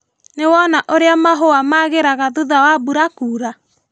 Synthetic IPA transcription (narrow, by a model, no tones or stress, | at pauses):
newɔnaʔoɾeamaɦoamaɣeɾaɣaðuðawabuɾakuːɾa